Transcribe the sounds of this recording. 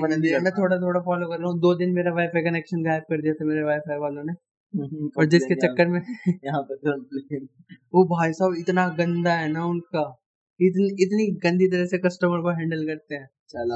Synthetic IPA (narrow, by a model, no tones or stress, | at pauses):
mɛ̃ːt̪ʰoːɽat̪ʰoːɽafɔːlokɐɾːaːɦũd̪oːd̪ɪnmeːɾaʋaːɪfʰekɐneːkʃənɡaːɪb̚kɐɾd̪ijat̪ʰameːɾeʋaːɪfʰaːɾʋaːlõne | ɔːɾd͡ʒɪsket͡ʃɐkːəɾmẽɦã | ʋobʱaːisaːbɪt̪naɡɐ̃nd̪aɦɛnaʊnka | ɪt̪niɪt̪̬niɡɐ̃nd̪ʱit̪̬ɐɾəsekɐsʈəməɾkoɦɛ̃ːɳɖəlkɐɾt̪eɦɛ̃ː | a